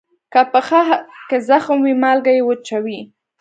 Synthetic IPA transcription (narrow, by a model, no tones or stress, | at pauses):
kapəxakezaxmwimalɡajewət͡ʃawi